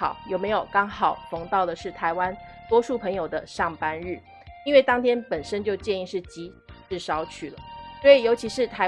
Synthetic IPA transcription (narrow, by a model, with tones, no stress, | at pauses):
ɑ̰˨˩˦ʊjo˨˩ʊme˧˥ɪjo˨˩ʊkɑ˥ŋxɑ˨˩ʊfɤ˧˥ŋt̪ɑ˥˩ʊd̪ə˩ʂɻ̩˥˩t̪ʰa˧˥ɪwa˦˥n | t̪wɔ˥ʂu˥˩pʰɤ˧˥ŋjo˨˩ʊd̪ə˦ʂɑ˥˩ŋpa˥nɻ̩˥˩ | i˥nwe˥˩ɪt̪ɑ˥ŋt̪ʰjɛ˥npə˨˩nʂə˥nt͡ɕjo˥˧ʊt͡ɕjɛ˥˧ni˥˧ʂɻ̩˥˩t͡ɕi˧˥ | ʈ͡ʂɻ̩˥˩ʂɑ˥ʊt͡ɕʰy˥˩lə̰˩swɔ˧˥i˨˩jo˧˥ʊt͡ɕʰi˧˥ʂɻ̩˥˩t̪ʰa˧